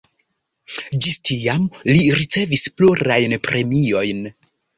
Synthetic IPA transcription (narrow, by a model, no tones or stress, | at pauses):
d͡ʒistʰijamliɾit͡se̞vispluɾajnpɾʔe̞mio̞jn